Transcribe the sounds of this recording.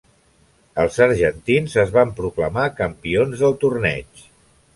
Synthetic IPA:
əlˠzəɾʒənt̪inzəzβampɾukləmakəmpionzðəlˠt̪urnɛ̰t͡ʃ

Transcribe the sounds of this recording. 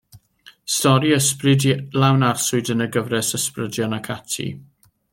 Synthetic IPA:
stɔɾiəsprɪdlawnarsʊɨdənəɡəvrɛsəsprədjɔnakʰatʰḭ

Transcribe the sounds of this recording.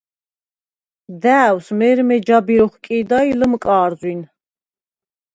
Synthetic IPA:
d̪æːwsmɛɾmɛd͡ʒabiɾɔχkʼiːd̪ailəmkʼaːɾzwin

